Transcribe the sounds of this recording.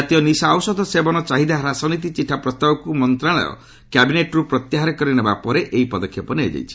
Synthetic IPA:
at̪ijɔnisaawsɔd̪ʱɔsebɔnɔt͡ʃaɦid̪aɾasɔnit̪̬it͡ʃiʈʰːapɾɔst̪abɔkumɔnt̪ɾaɭɔ̰jɔ̰ | kabineʈɔɾupɾɔt̪jaɦaɾekɔɾinebapɔɾeʔeipɔd̪ɔkʰːjɔpɔneɔ̰d͡ʒa̰jt͡ʃʰi̥

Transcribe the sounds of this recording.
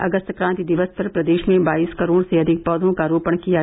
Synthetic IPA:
ɐ̰ɡəst̪kɾãːnt̪id̪ɪʋəsp̪ɐɾpɾɐd̪eːʃmẽbaːiːskɐɾoːɽseɐd̪ʱɪk̚pɔːd̪ʱõkaɾoːpəɳkija

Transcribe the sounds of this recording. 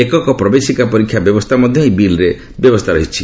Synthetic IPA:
ekɔkɔpɾɔbesikapɔɾikʰːjabjɔbɔst̪ʰamɔd̪ʱjɔĩbilɾe | bjɔbɔst̪ʰaɾɔɦit͡ʃʰi

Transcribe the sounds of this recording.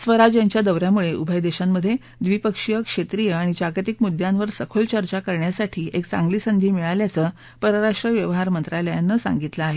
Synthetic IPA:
sʋəɾad͡ʑjaɲt͡ɕjad̪əʋɾjamuɭeʔubʱəjd̪eɕamːəd̪ʱːje | d̪ʋipəkʂijəkʂet̪ɾijəaɽ̃id͡ʑaɡət̪ikmud̪janʋəɾsəkʰolt͡ɕəɾt͡ɕakəɾɳjasaʈʰiːʔek̚t͡sã̰ŋɡliːsənd̪ʱiːmiɭaljat͡səː | pəɾəɾaʂʈɾəʋjəʋɦaɾmənt̪ɾaləjanːəsã̰ŋɡit̪ləaɦe

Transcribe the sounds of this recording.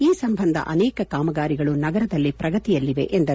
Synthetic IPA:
iːsɐmbʱɐnd̪ʱɐ̰ʔɐnɛːkɐkaːmɐɡaːɾiɡɐɭunɐɡɐɾɐd̪ɐlːipɾɐɡɐt̪ijɐlːiʋe̞̰ʔend̪ɐɾu

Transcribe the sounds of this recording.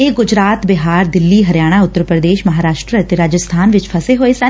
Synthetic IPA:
eːɡʊd͡ʒɾaːt̪bɪɦaːɾd̪ɪlːiːɦəɾjaːɽ̃aːʊt̪ːəɾpɾəd̪eːʃməɦaːɾaːʃʈɾəət̪eɾaːd͡ʒəst̪ʰaːnʋɪt͡ʃpʰəseːɦoːeːsə

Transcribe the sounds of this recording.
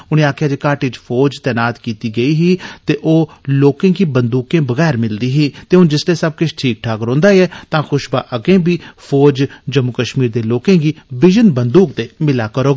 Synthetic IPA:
ʊnẽːaːkʰjaːd͡ʒeːkaːʈɪt͡ʃpʰoːd͡ʒt̪ɛːnaːt̪kiːt̪iːɡəiːɦiːt̪eːʔoːloːkẽːɡiːbənd̪uːkẽːbəɣɛːɾmɪld̪iːɦiːt̪eːʊnd͡ʒɪsleːsəb̚kʊt͡ʃʰʈʰiːk̚ʈʰaːkɾõːnd̪aːiɛːt̪ãːxʊʃbaːʔəɡẽːbiːpʰɔːd͡ʒd͡ʒəmʊkəʃmiːɾd̪eːloːkẽːɡiːbɪd͡ʒənbənd̪uːk̚d̪eːmɪlaːkəɾoːɡ

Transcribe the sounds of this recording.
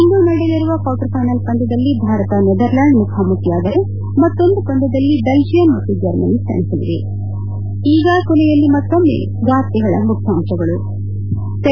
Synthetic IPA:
inɡ̪unɐɽeliɾuʋɐkɐːwʈɐɾpajnɐlkɐnd̪ɐd̪ɐlːibʱaːɾɐt̪ɐnɛd̪ɐɾlaːɳɖmukʰaːmukijaːd̪ɐɾe | mɐt̪ːo̞nd̪ukɐnd̪ɐd̪ɐlːibeld͡ʒijɐmɐt̪ːud͡ʒɐɾmɐnist̪ɐ̰nisɐʋḭɾḭ | iːɡɐkɔlɛjɐlːimɐt̪ːomːḛː | ɡaːt̪ːiɡɐɭɐ̰mukʰjaːmʃɐɡɐɭu | t̪

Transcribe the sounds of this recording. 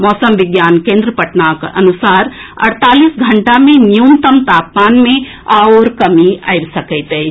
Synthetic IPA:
mɔːsəmʋiɡjaːnkẽnd̪ɾəpəʈnakʔə̰nusaːɾɐ̰ɽt̪aːlisɡʱəɳʈamẽnjunt̪əmt̪aːp̚maːnmẽ | aoɾkəmia̰jbsəkəɪt̪əj

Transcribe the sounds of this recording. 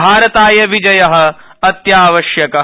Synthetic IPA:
aːɾɐt̪aːjɐʋid͡ʒɐjɐɦɐ̆ | ɐt̪jaːʋɐʃjɐkɐ

